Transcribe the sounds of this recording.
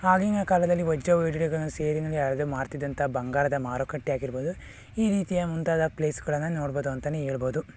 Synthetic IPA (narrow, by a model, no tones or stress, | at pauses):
aːɡeŋɐkaːlɐd̪ɐlːiʋɔd͡ʒːɐʋeːɖiɽiɡɐɭɐnːuseːɾinɐlːiaɾɐd̪uːmaːɾt̪id̪ɐnt̪ɐbɐŋɡaːɾɐd̪ɐmaːɾokɐʈːijaːɡiɾboːd̪u | iːɾiːt̪ijɐmunt̪aːd̪ɐpleːsɡɐɭɐnːunoːɽboːd̪uɐnt̪ɐneeːɭɐboːd̪u